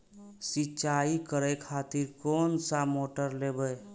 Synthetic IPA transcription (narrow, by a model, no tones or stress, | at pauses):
sit͡ʃaikəɾəjkʰat̪iɾkoːnsamoʈəɾlebəj